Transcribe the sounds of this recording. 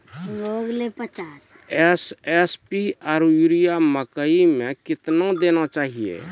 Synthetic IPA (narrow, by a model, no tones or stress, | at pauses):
moɡlepət͡ʃas | ɛsɛspiaɾuɾijaməkəimẽkɪt̪nãd̪enat͡ʃaːɦiḛ